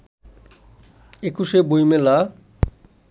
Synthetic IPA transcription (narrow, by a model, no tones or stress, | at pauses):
ekuʃebojmela